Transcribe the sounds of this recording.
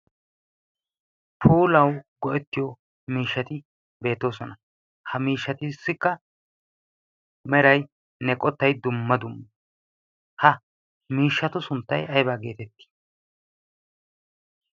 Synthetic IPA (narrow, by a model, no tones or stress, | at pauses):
pʰuːlɐwɡɔʔɛt̪ːɪjɔ | miːʃːɐt̪ɪ | be̞ːt̪ːo̞ːsɔnɐ | hɐmiːʃːɐt̪ɪːsːɪkːɐ | mɛɾɐj | nɛkʼɔt̪ːɐjd̪ʊmːɐd̪ʊmːɐ | hɐ | miːʃːɐt̪ʊsʊnt̪ːɐjɐjbaːɡe̞ːt̪ɛt̪ːɪ̥